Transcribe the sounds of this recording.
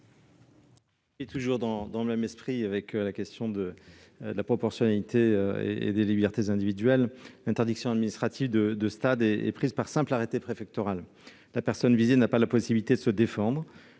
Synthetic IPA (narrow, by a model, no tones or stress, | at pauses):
it̪uʒuʁd̪ɑ̃d̪ɑ̃ləmɛmɛspχiavɛklakʲɛst̪ʰjɔ̃d̪ə | d̪əlapχɔpɔʁsjɔnalit̪ʰeøḛḛd̪elibɛʁt̪ezɛ̃d̪ivid̪ɥɛllɛ̃t̪ɛʁd̪iksjɔ̃ad̪minist̪χat̪ivd̪əd̪əst̪ad̪ɛɛ̰pχizpaʁsɛ̃plaʁet̪epχefɛk̚t̪ɔʁal | lapɛʁsɔnvizenapalapɔsibilit̪ed̪əsəd̪efɑ̃d̪ʁ